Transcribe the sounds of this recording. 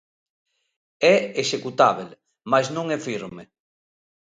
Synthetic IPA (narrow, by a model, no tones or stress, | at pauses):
ɛeʃekut̪aβel | majsnõŋɛfiɾme